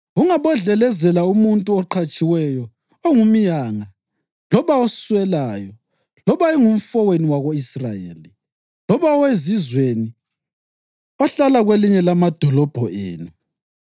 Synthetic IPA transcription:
ɣuŋaβɔɮɛlɛzɛlaumuntʼuɔǃʰat͡ʃʼiwɛjɔ | ɔŋumijaːŋa | lɔβaosswɛlaːjɔ | lɔβaɛŋum̩fɔweniwaɣoisrajḛːli | lɔβaɔwezizweni | ɔɬalaɣweliɲɛlamad̥ʱɔlɔb̥ʱɔʔḛːnu

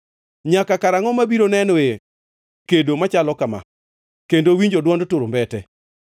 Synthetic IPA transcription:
ɲakakaɾaŋɔmabiɾonɛnɔe | kedomat͡ʃalɔkama̰ | kendowiɲd͡ʒodwɔndtʊɾombɛtɛ

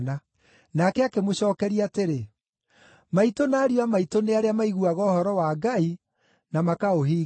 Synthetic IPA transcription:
na | nakɛakemoɕɔːkɛɾiateɾe | maitonaːɾiwamaitoneaɾeamaiɣuaɣɔːhɔɾɔwaːɡai | namakaoɦiː

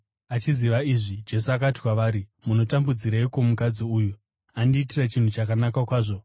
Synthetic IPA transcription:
at͡ʃiziʋaiʐid͡ʒe̞suakati̥kwaʋaːɾimuno̞tambud͡ziɾaiko̞mukad͡ziuːju | andiːtirat͡ʃin̤ut͡ʃakanakakwaːʐo̞

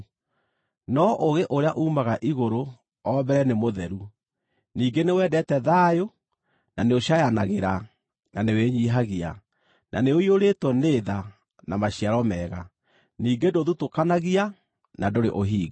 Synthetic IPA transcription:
nɔʔoɣeʔoɾeaʔuːmaɣaʔiɣoɾo | ɔbɛɾɛnemoðɛɾu | niːɡenewɛːdɛtɛðaːjo | naneoɕajanaɣeɾa | naneweɲiːɦaɣia̰ | nʔa̰neoioɾetwɔneða | namaɕiaɾɔmɛːɣa | niːɡendoðutokanaɣia | nadoɾḛʔoɦiːɡ

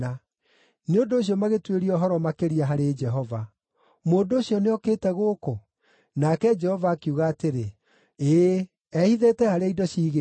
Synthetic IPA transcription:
a | neondoːɕ̬jɔmaɣetweɾiɔɦɔɾɔmakeɾiaɦaɾed͡ʒɛɦɔva | moːndoːɕjɔneɔkeːtɛɣoːko | nakɛd͡ʒɛhɔvaːkiuɣaːteɾe | eː | ɛhiðeːtɛhaɾeaidɔɕiːɣe

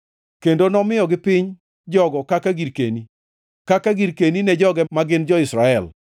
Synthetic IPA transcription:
kendonɔmɪjɔɡɪpɪɲ | d͡ʒɔɡɔkakaɡiɾkeni | kakaɡiɾkeninɛd͡ʒɔɡɛmaɡɪnd͡ʒɔɪsɾaɛl

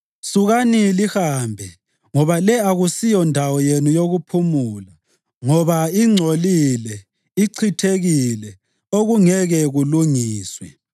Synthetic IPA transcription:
suɣanilihaːmbʱɛ | ŋɔβalɛaɣusijɔndʱawɔjenujoɣupʰumuːla | ŋɔβaiŋ͡ǀʱolilɛ | iǀʰitʰeɣilɛ | oɣuŋɛɣɛɣuluŋiːswɛ

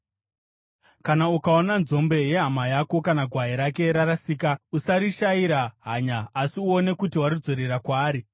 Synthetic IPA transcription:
kanaukao̞nanzo̞mbe̞je̞ɦamajako̞kanaɡʱwaɦiɾake̞ɾaɾasiːkausaɾiʃaiɾaɦaɲaːsiuo̞ne̞kutiwaɾid͡zo̞ɾeɾakwaːɾi

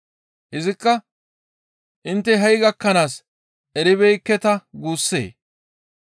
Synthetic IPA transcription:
ʔɪzɪkːɐ | ʔɪnt̪ːɛɦɐjɡɐkːɐnaːs | ʔɛɾɪβɛjkːɛt̪ɐɡuːsːḛː

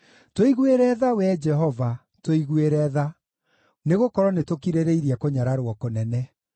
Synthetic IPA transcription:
toiɣweɾɛðawɛd͡ʒɛɦɔva | twoiɣweɾɛða | neɣokɔɾɔnetokiɾeɾeiɾiakoɲaɾaɾwɔkonɛnɛ

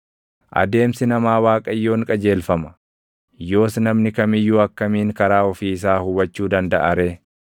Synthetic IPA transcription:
ʔɐ̰d̪e̞ːmsɪnɐmaːwaːkʼɐjːo̞ːŋkʼɐd͡ʒe̞ːlfɐmɐ̥ | jo̞ːsnɐmnɪkɐmɪjːuːɐkːɐmiːŋkɐɾaːɔfiːɪs̬aːhʊwɐt͡ʃːuːd̪ɐnd̪ɐʔɐɾeː

